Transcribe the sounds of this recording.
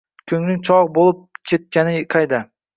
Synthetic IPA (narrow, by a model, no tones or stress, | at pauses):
kʲʰɵŋnɪŋt͡ʃʰɒʁbolˠɪp̚kʲʰet̪̚kʲanɪqʰɑjd̪a